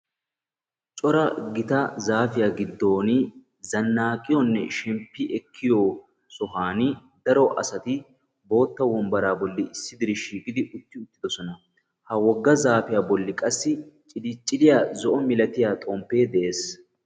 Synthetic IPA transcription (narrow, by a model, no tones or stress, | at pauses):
t͡ʃʼɔɾɐɡɪt̪ɐzaːfɪjaɡɪd̪ːo̞ːni | zɐnːaːkʼɪjɔnːɛ̰ʃɛmpːɪʔɛkʰːɪjoː | sɔɦaːnɪ | d̪ɐɾɔʔɐ̰sɐt̪ɪ | bo̞ːt̪ːɐwɔmbɐɾaːbɔlːɪɪsːɪd̪ɪɾɪʃiːkʼɪd̪ɪʔʊt̪ːɪʊt̪ːɪd̪ɔsɔnɐ | hɐwɔɡːɐzaːfɪjaːbɔlːɪkʼɐsːɪt͡ʃʼɪlit͡ʃʼːɪlɪjaːzɔʔɔmɪlɐt̪ɪjaːt̪ʼoːmpːe̞ːd̪ɛʔe̞ːs